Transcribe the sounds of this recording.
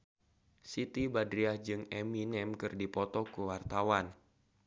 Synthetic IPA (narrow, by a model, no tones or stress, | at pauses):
sit̪ibadɾiahd͡ʒɨŋɛminɛmkɨrdipɔt̪ɔkuwart̪awan